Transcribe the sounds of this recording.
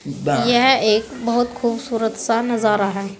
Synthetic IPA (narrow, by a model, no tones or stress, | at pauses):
jɛɦeːkbɐɦʊt̪xʰuːbsuːɾət̪sanɐzaːɾaɦɛː